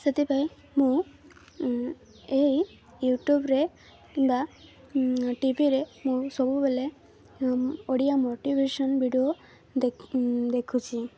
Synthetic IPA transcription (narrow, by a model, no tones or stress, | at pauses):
set̪ipaj | mũ | ej | juʈjubɾe | kimba | ʈibʱiɾemũsɔbubele | oɽijamoʈibʱeʃɔnbʱiɖio | d̪ekʰut͡ʃʰi